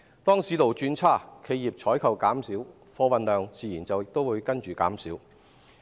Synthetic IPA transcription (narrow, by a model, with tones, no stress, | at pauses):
t̪ɔː˥ŋsiː˨˥lo˨˩wt͡ʃyː˧nt͡sʰaː˥˩kʰe˧jːiː˨p̚t͡ʃʰɔː˨˥jkʰɐ˨˩wkaː˨˥msiː˨˥w | fɔː˧wɐ˨nlœː˨ŋt͡siː˨˩jiː˨˩nt͡sɐ˨wjɪ˨k̚t̪o˥wuː˨˧jkɐ˥nt͡ʃyː˨˩kaː˨˥msiː˨˥w